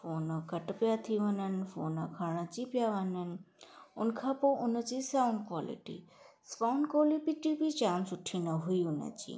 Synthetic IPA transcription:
foːnəkəʈpjat̪ʰiʋənənfoːnakʰaɭ̃ãt͡ʃipjaʋanənʊnkʰapoʔunət͡ʃisawɳɖkwalḭʈḭ | spawnkolipiʈipit͡ʃaːmsuʈʰːinəɦujunə̰t͡ʃḭ

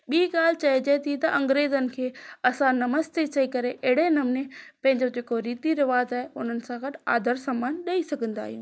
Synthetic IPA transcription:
ɓiːɡaːl̤t͡ɕɐid͡ʑɐt̪ʰit̪ɐʔɐ̃ŋɡɾeːzənɪ̆kʰeːɐsãnɐməst̪et͡ɕɐikɐɾeʔɐɦɪɽ̤enɐmnepɐ̃ɦɪ̃ɲd͡ʑod͡ʑeːkoɾiːt̪iɾɪʋaːət̪aːeʊn̤ənɪ̆sãɡɐʈɪa̰ːd̪ʱəɾsaːmaːnɗɐisɐɡʱə̃nd̪a̰ːɦijṵ̃ː

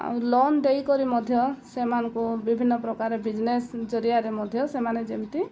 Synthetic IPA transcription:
a̰wlɔnd̪ejkɔɾimɔd̪ʱjɔsemanɔŋkubibʱinːɔpɾɔkaɾebid͡ʒnesd͡ʒɔɾiaɾemɔd̪ʱjɔsemaned͡ʒemt̪i

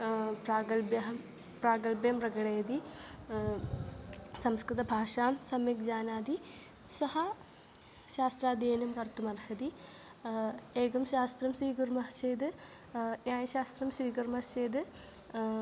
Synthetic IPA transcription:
praːɡɐlbjɐɦɐm | praːɡɐlbjɐmprɐɡɐɽeːd̪i | sɐmskɾɨd̪ɐbʱaːʂaːmsɐmjek̚d͡ʑaːnaːd̪i | sɐhɐ | ʃaːst̪raːd̪jeːnɐmkɐrt̪umɐrhɐd̪i | eːɡɐmɕaːst̪rɐmswiːɡɐɾmɐt͡ɕeːd̪ɨ | njaːjɐɕaːst̪rɐmswiːkɐɾmɐst͡ʃeːd̪ɨ

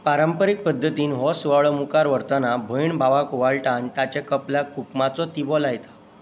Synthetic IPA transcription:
paɾəmpəɾik̚pəd̪ʱːət̪iːnɦɔsuʋaɭəmukaɾʋəɾt̪anabʱəiɳbʱaʋakuʋaɭʈant̪at͡ɕakəpljakukmat͡sɔt̪ibɔlajt̪ḁ

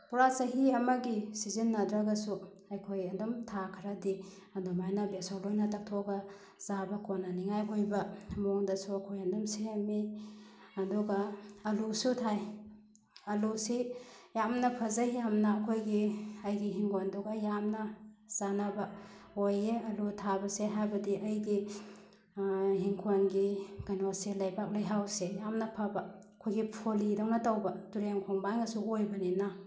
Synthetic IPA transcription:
puɾasaɦiɐmɐɡisizinːadɾaɡasu | ajkʰojɐndɔmtʰakʰɾadi | ɐndɔmajnabesɔlojnɐtak̚tʰɔɡa | z̥abɐkʰɔnaniŋajɡojbamɔŋdasuakʰojɐndɔmsiami | ɐdɔɡaːlusutʰaj | ɐlusijamnɐpʰɐzajamnaːkʰojɡiɐjɡiɦiŋkʰonduɡajamnɐz̥anabɐ | ojeɐlutʰabɐseɦajbɐdiʔɐjɡi | ɦiŋkʰonɡiɡ̥anoselajbak̚lajɦawsejamnɐpʰaba | kʰojɡipʰolidawnatawbɐtuɾeŋkʰoŋbaŋɐsuɡojbɐnina

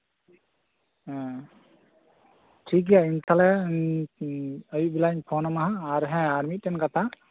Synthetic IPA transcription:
ʈʰik̬ijaint̪ʰalɛ | əjibilaɲpʰɔnamaɦãːɾɦɛ̃aɾmiʈɛnkat̪ʰa

